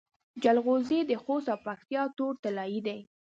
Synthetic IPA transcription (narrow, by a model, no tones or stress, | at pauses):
d͡ʒalɣozed̪əxost̪awpak̚t̪jɑt̪oɾt̪alɑjid̪aj